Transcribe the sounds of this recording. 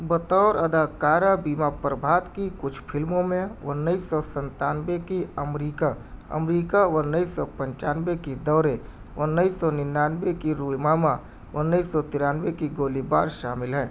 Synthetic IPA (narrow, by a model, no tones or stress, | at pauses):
bət̪ɔːɾɐd̪ʱaːkaːɾabiːmapɾəbʱaːt̪kikʊt͡ʃʰpʰɪlmõmẽwənːəisɔsə̃nt̪aːnwekiɐmɾiːkaɐ̰mɾiːkaʋənːəisɔpə̃ɲt͡ʃaːnʋekid̪ɔːɾe | ʋənəisɔnɪnaːnʋekiɾuːmaːma | wənːəisɔt̪ɪɾaːnʋekiɡoːliba̰ːɾʃaːmɪlɦɛ̃ː